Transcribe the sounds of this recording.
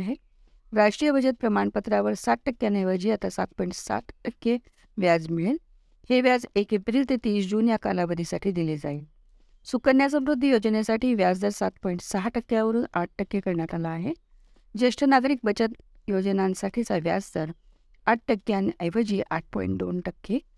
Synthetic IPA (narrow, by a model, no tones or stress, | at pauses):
ɦe | ɾaʂʈɾijəbʱət͡ɕət̪̚pɾəmaɳpət̪ɾaʋəɾsat̪̚ʈəkːjanəjʋəd͡ʑiːat̪asat̪̚pɔiɳʈsa̰t̪ʈəkːe | ʋjad͡zmiɭil | heʋjad͡zekepɾiːlt̪et̪iːsd͡ʑunjaka̰labəd̪ʱisaʈʰiːd̪iled͡zail | sukəɾnjas̬əmɾud̪ʱːijod͡ʑənesaʈʰiːʋjad͡zd̪əɾsat̪pɔiɳʈsaɦaʈəkːjaʋəɾuːnaʈ̚ʈəkːekəɾɳjat̪alaːɦe | d͡ʑeʂʈʰənaɡ̪ʱəɾik̚bət͡ɕət̪ | jod͡ʑənãnsaʈʰiːt͡saʋja̰d͡zd̪əɾ | aʈ̚ʰʈəkːjanəjʋəd͡ʑiːʔa̰ʈ̚pɔ̰ḭɳʈd̪o̰nʈəkʰːe